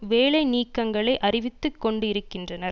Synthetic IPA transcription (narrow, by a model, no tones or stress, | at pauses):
ʋeːɭɐɪniːkːɐŋɡɐɭɐɪʔɐrɪʋɪt̪ːɯkːɔɳɖɯɪɾɯkːɪndrɐnɐɾ